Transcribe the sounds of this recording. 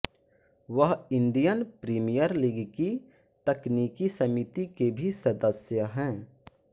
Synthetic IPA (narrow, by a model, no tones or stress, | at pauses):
ʋəɦɪ̃nɖ̪ijənpɾiːmijəɾliɡkit̪ɐkniːkisɐmit̪ikebʱisɐd̪əsjəɦɛ̃ː